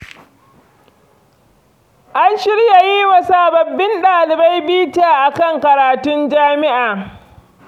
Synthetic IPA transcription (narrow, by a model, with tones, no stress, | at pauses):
ʔa˦nʃɪ˦ɾja˨ji˦wɐ˨saː˦bɐ˨bːɪ˦nɗaː˨lɪ˨ba˦jbiː˦taː˦˨ʔa˨kɐ˦˨ŋkɐ˨ɾaː˨tʊ˦nd͡ʒaː˦mɪ˦ʔaː˨